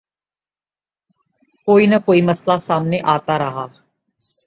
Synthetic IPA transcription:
koːiːnakoːiːməslasaːmneʔaːt̪aːɾəɦaː

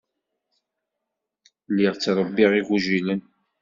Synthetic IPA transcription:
lːɪʁt͡sːɾˤəbːiʁiɣuʒilən

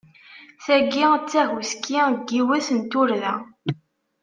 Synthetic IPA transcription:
θæɡit͡sːæɦuskːiɡːiwæsənt̪ʊɾðæ

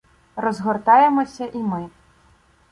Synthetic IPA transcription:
rɔzɣɔrt̪ajɛmɔsʲɐʔimɨ

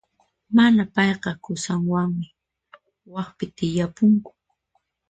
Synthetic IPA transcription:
manapɑjqɑkʊsaŋwaŋmɪ | wɑχpɪt̪ɪjapʊŋkʊ̥

